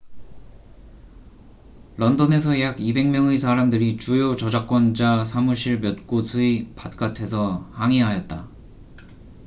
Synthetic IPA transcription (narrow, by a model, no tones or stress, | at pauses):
ɭʌndʌne̞sʰʌjaɡibe̞ŋmjʌŋes̬ʰaɾamdɯɾit͡ɕujot͡ɕʌd͡ʑak͈̚wʌnd͡ʑasʰamuɕʰiɭmjʌt̚k͈osʰuipat̚k͈atʰe̞sʰʌhaŋiɦajʌt̚t͈a